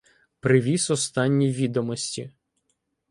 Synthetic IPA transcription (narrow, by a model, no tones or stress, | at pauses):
pɾɪʋʲisɔst̪ɑnʲːiʋʲid̪ɔmɔsʲtʲi